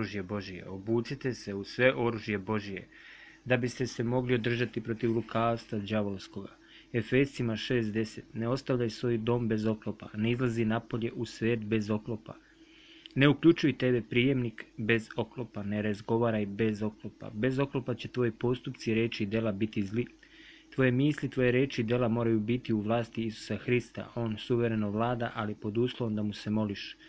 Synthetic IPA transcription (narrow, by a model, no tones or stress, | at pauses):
uʒje̞bo̞ʒije̞̰obuːsit̪e̞se̞usʋe̞ʔo̞ɾuʒje̞bo̞ʒije̞̰ | d̪abist̪e̞se̞mo̞ɡlio̞d̪r̩ʒat̪ipɾo̞t̪iʋɾukʰaːst̪ʋad͡ʒaʋolsko̞ɡa | e̞fe̞st̪imaʃe̞ːsd̪e̞se̞t̪ne̞o̞st̪aʋʎajsʋo̞ːjd̪o̞ːmbe̞zo̞klopa̰ne̞izlˠazinapo̞ʎe̞ʔusʋe̞ːt̪be̞zo̞klo̞pa̰ | ne̞ukʎut͡ʃujt̪e̞be̞pɾiːje̞mnikbe̞zo̞klopane̞ɾazɡo̞ʋaːɾajbe̞zo̞klopa̰be̞zo̞klopat͡ɕe̞t̪ʋo̞jipo̞st̪upt̪siɾe̞ːt͡ʃiːd̪e̞labit̪izli | t̪ʋo̞jemiːslit̪ʋo̞je̞ɾe̞ːt͡ʃiːd̪e̞lamo̞ːɾajubit̪iuʋlˠaːst̪iisu̥saxɾist̪a̰ʔo̞ːnsuʋe̞ɾe̞noʋlaːd̪aʔalipo̞d̪uːslˠoʋomd̪amuse̞mo̞liʃ